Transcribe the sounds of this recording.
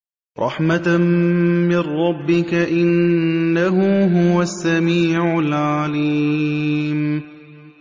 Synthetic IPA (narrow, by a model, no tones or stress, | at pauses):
ɾˤɑ̰ħma | mɪrːɑbːɪkaʔɪnːaɦʊɦʊwasːamiːʕʊlʕaliː | m